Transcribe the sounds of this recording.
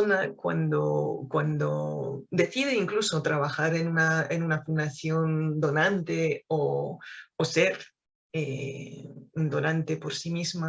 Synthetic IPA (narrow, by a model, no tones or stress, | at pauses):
onakwa̰nd̪okwand̪o̰d̪e̞θið̞eiŋklusot̪ɾaβ̞axaɾenunaenunafund̪aθjo̞nd̪o̞nãnt̪eo | oseɾ | e | d̪o̞nãnt̪e̞po̞ɾsimizma